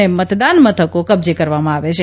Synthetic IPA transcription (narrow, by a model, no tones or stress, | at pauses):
emət̪d̪anmət̪ʰəkokəbd͡ʒekəɾʋamãaʋet͡ʃʰe